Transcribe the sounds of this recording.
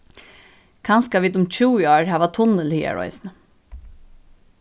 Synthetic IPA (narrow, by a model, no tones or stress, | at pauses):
kʰɑnskaʋiːd̪ʊmt͡ɕʰuːɪoːɹhæːʋat̪ʰʊnəlhiːa̰ɹɔ̰ʏsnə